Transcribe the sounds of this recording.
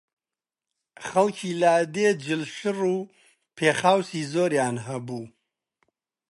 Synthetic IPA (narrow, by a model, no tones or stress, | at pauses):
χɐlkʰiːlaːd̪ed͡ʒɪlʃɨruː | pʰeːχaːwsiːzoːɾjaːnɦɐbuː